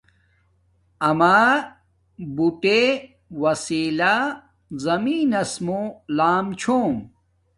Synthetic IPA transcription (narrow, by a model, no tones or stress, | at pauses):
ɐmaː | buʈe | wɐsiːla | zɐmiːnɐsmolaːmt͡ɕʰoːm